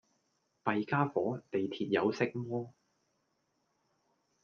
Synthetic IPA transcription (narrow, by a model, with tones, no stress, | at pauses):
pɐ˨jkaː˥fɔː˨˥t̪e˨jt̪ʰiː˨t̚jɐ˨˧wsɪ˨˧k̚mɔː˥